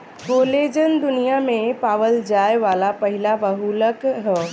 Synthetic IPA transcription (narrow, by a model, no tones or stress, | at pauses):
koːleːd͡ʒənd̪ʊnijamẽpaːʋəld͡ʒaːeʋaːlapɐɦɪlabɐɦuləkɦɛ